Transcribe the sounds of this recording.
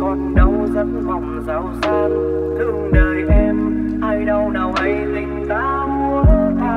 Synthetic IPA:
ɔ˨˦nɗə˨˩wzə˧˦n̚va˨˩wŋ͡mzaː˨˦wzɨ˧ə | t̪ʰɨ˧˩əŋɗəː˧˩jʔɛ˧m | haː˧jɗə˨˩wnaː˨˩wʔə˨˦jzï˨˩ŋ̟zaː˨˦mu˧ə˧

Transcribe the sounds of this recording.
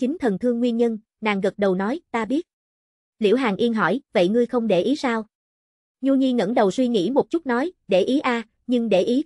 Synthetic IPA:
t͡ɕï˨˦ŋ̟t̪ʰə˨˩nt̪ʰɨ˧əŋːwi˧ənɲə˧n | na̰ː˨˩ŋɣə˨˩t̚ɗə˨˩wnɔ˨˦jt̪aː˧ɓi˦˥ət̚ | lḭ˧˩˥wɦaː˨˩ŋʔi˧ənɦɔ̰˧˩jvə̰˧˨jŋɨ˧əjxə˧wŋ͡mɗe˧˩ʔi˨˦saː˧w | ɲu˧ɲi˧ŋə̰˧˥nɗə˨˩wswi˧ŋḭ˧˥mo˨˩t̚t͡ɕu˦˥t̚nɔ˨˦jɗe˧˩ʔi˨˦ʔaː˧ | ɲɨ˧ŋɗe˧˩ʔi˨˦

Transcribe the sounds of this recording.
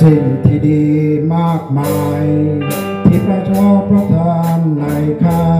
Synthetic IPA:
si˨˩ŋt̪ʰiː˧˩diː˧maː˥˩k̚maː˧j | t̪ʰiː˦˥˩pɾa˧˩t͡ɕʰɔː˥˩pʰɾa˧˥t̪ʰaː˧nla˧˦jkʰaː˥˧˩

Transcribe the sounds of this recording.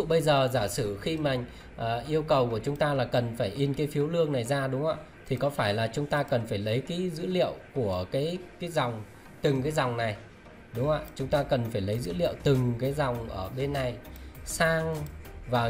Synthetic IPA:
ɓə˧jzəː˨˩zaː˧˩sɨ˧˩xi˧ma̰˨˩˨ŋ̟ | ʔːʔi˧əwkə˨˩wku˧˩ət͡ɕʊ˨˦ŋ͡mt̪aː˧laː˨˩kə˨˩nfaː˧˩jʔi˧nkaː˨˦jfi˨˦əwlɨ˧əŋna˨˩jzaː˧ɗʊ˨˦ŋ͡mʔə̰ː˧˨˩ | t̪ʰi˨˩kɔ˨˦faː˧˩jlaː˨˩t͡ɕʊ˨˦ŋ͡mt̪aː˧kə˨˩nfaː˧˩jlə˨˦jkaː˨˦jzɨ̰˧˥lḭ˧˨əwku˧˩əkaː˨˦jkaː˨˦jza˨˩wŋ͡m | t̪ɨ˨˩ŋkaː˨˦jza˨˩wŋ͡mna˨˩j | ɗʊ˨˦ŋ͡mʔa̰ː˧˩t͡ɕʊ˨˦ŋ͡mt̪aː˧kə˨˩nfaː˧˩jlə˨˦jzɨ̰˧˥lḭ˧˨ə˨wt̪ɨ˨˩ŋkaː˨˦jza˨˩wŋ͡mʔəː˧˩ɓe˧nːa˨˩jsaː˧ŋvaː˨˩

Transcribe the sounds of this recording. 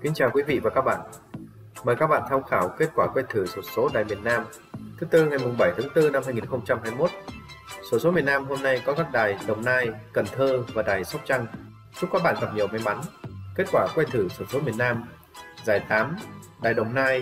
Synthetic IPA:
ki˨˦nt͡ɕaː˨˩wkwi˨˦vḭ˧˨vaː˨˩kaː˦˥k̚ɓa̰ː˧˨n | məː˨˩jkaː˦˥k̚ɓa̰ː˧˨nt̪ʰa˧wxaː˧˩wke˦˥t̚kwaː˧˩kwɛ˧jt̪ʰɨ˧˩so˧˩so˨˦ɗaː˨˩jmi˨˩ənːaː˧m | t̪ʰɨ˨˦t̪ɨ˧ŋa˨˩jmʊ˨˩ŋ͡mɓə˧˩jt̪ʰaː˨˦ŋt̪ɨ˧na˧mha˧jŋi˨˩nxə˧wŋ͡mt͡ɕa˧mhaː˧jmo˦˥t̚ | so˨˧˩so˨˦mi˨˩ənaː˧mɦo˧mna˧jkɔ˨˦kaː˦˥k̚ɗaː˨˩jɗə˨˩wŋ͡mnaː˧jkə˨˩nt̪ʰəː˧vaː˨˩ɗaː˨˩jsa˦˥wk͡p̚t͡ɕa˧ŋ | zʊ˦˥k͡pkaː˦˥k̚ɓa̰ː˧˨ɣa˨˩p̚ɲi˨˩əwma˨˧˦jma˨˦nke˦˥t̚kwaː˧˩kwɛ˧t̪ʰɨ˧˩so˧˩so˨˦mi˨˩ənaː˧m | zaː˧˩jt̪aː˨˦mɗaː˨˩jɗə˨˩wŋ͡mnaː˧j

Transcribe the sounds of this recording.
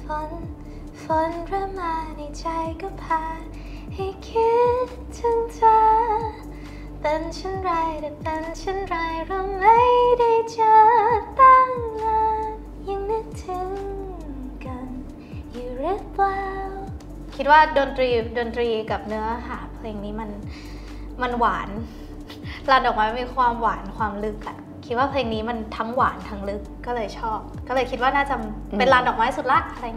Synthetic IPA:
fo˧˦n | fo˧˦nɾa˧˩maː˧na˧˩t͡ɕa˧jkɔː˥˩pʰaː˧ | ha˧˩jkʰi˦˥t̪ʰːɯ˧ŋtʰaː˧ | t̪ɤ˧nt͡ɕʰa˥˩nɾa˧jt̪ɛ˨˩t̪ɤ˧nt͡ɕʰa˥˩nɾaː˧jɾɔ˧˩ma˥˧˩jda˥˧˩jt͡ɕa˧˩t̪a˥˩ŋla˧ | ja˧ŋnɯ˦˧˥tt̪ʰɯ˨˧˦ŋ | ka˧n | juː˨˩ɾi˧˥˩p̚fa˧ | kʰi˦˥t̪̚waː˥˩do˧nt̪ɾiː˧do˧nt̪ɾiː˧ka˨˩p̚nɯ˦˥ɐɦaː˩˦pʰleː˧ŋniː˦˥ma˧n | ma˧nwaː˩˦n | laː˧ndɔː˨˩k̚maː˨˥m˥˧miː˧kʰwaː˧mwaː˩˦nkʰwaː˧mlɯ˦˥k̚ʔa˨˩ | kʰi˦˥t̪̚waː˥˩pʰleː˧ŋniː˦˥ma˧nt̪ʰa˦˥ŋwaː˩˦nt̪ʰa˦˥ŋlɯ˦˥kːɔː˥˩lɤː˧jt͡ɕʰɔː˥˩p̚kɔː˥˩lɤː˧jkʰi˦t̪̚waː˥˩naː˥˩t͡ɕa˨˩pe˧nlaː˧ndɔː˨˩k̚ma˦j̪ʰsu˨˩t̪̚la˦˥ʔʔa˧ɾa˧j

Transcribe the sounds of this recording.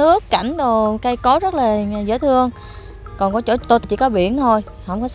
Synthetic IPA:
ɨ˦˥əkːa˧˩jŋ̟ɗo˨˩wka˧jkɔ˨˦zə˦˥t̚laː˨˩˨zə̰ː˧˥˦t̪ʰɨ˧əŋ | kɔ˨˩nkɔ˨˦t͡ɕo̰˧˩t̪o˧t̪t͡ɕḭ˧˦kɔ˨˦ɓḭ˧˩˨ənt̪ʰo˧j | hə˧wŋ͡mkɔ˨˦

